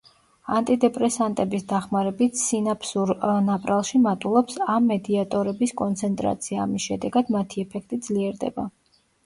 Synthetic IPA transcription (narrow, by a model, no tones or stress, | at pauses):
a̰nt̪ʼid̪ɛpʼɾɛsant̪ʼɛbisd̪aχmaɾɛbit̪ʰsinapʰsuɾnapʼɾalˠʃimat̪ʼulˠɔpsamːɛd̪iat̪ʼɔɾɛbiskʼɔnt̪sʰɛnt̪ʼɾa̰t̪sʰiaːmisʃɛd̪ɛɡad̪mat̪ʰiɛpʰɛk̚ʰt̪ʼid̪zliɛɾd̪ɛ̰ba̰